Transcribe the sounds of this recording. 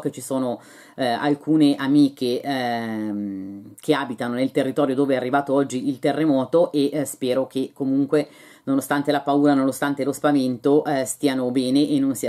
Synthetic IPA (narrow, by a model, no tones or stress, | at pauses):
ket͡ʃisoːno | a̰lkʰuːneʔamiːkʰe | mkʰeaːbit̪anonelt̪erːit̪ɔːɾjod̪oːveɛarːivaːt̪oɔd͡ʒːiilt̪erːemɔːt̪oʔeʔspɛːɾokʰekomuŋkwe | nonost̪ant̪elapauːɾanonost̪ant̪elospavent̪oʔst̪iːanobɛːneʔenːonsi